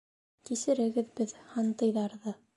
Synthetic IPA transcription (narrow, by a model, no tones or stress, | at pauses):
kisɘ̆ɾɘ̆ɡɘ̆ðbɘðhɑnt̪ɤ̆jðɑɾðɤ